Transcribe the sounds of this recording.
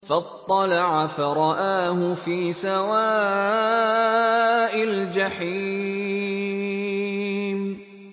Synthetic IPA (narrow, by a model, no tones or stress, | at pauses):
fɑt̪ˤːɑlɑʕafaɾˤɑʔaːhʊfiːsawaː | ʔald͡ʒaħi | m